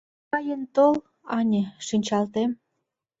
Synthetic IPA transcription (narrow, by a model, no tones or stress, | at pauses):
ɑjənt̪ol | ɑnʲĕʃinʲt͡ɕɑlt̪em